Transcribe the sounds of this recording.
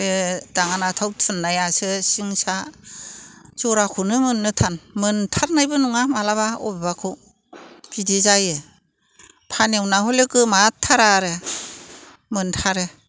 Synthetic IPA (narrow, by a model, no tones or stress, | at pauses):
edaŋanatʰawtʰɯnːajasɯsiŋsa | t͡ʃɔɾakʰunɯmɯnːɯtʰanmɯntʰaɾnajbɯnuŋamalaβaɔ̰bebakʰɯ | bidizajɯ | pʰanewnahɔlekɯmatʰːaɾaɾɯ | mɯntʰaɾɯ